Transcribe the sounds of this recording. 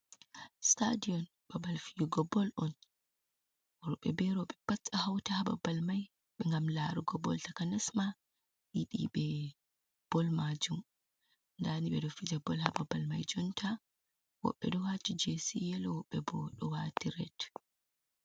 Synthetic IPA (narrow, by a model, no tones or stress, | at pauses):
stadiɔn | babalfijuɡɔbɔlʔɔn | ɔɾɔɓɛ̰bɛɾɔɓɛpat͡sːahawtahaba̰balmaj | ɓɛŋɡamlaɾuɡɔbɔ̰ltakanɛsma | jiɗḭɓɛ | b̥ɔlmad͡ʒum | ndaniɓɛdɔfid͡ʒabɔlhababalma̰jd͡ʒɔntʰa | wɔ̰ɓːɛ̰dɔwat͡ʃid͡ʒesijɛlɔwɔɓɛbɔɗɔwatiɾɛt